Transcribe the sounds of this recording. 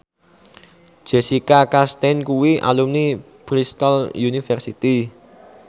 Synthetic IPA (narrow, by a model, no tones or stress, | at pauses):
d̥ʒ̥esikakast̪ɛnkuwiʔa̰lumni | b̥ɾist̪əljunifɛrsit̪i